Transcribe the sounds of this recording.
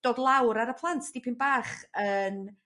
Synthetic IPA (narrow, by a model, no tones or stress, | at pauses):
d̥oːdlˠawɾaɾəpʰlˠantʰdipʰɪnbaːχən